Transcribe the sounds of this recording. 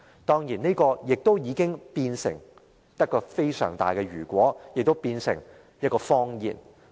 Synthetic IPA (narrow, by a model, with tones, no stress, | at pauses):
t̪ɔː˥ŋjiː˨˩ne˥kɔː˧jɪ˨k̚t̪o˥wjiː˨˧kɪ˥ŋpiː˧nsɪ̰˨˩ŋ | j̪ɐ˥kɔː˧fe˥jsœ̰ː˨˩ŋt̪a̰ː˨jkɛː˧ɥyː˨˩kʷɔː˨˥jɪ˨k̚t̪o˥wpiː˧nsɪ̰˨˩ŋ | jɐ˥kɔː˧fɔː˥ŋjḭː˨˩n